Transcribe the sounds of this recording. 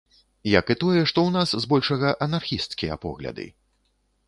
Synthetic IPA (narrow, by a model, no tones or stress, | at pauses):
jɐkɨt̪ɔjɛʂt̪ɔwnaszbɔlʲʂɐɣɐʔɐnarxʲist̪skʲijɐ̰pɔ̰ɣlʲɐ̰d̪ɨ̰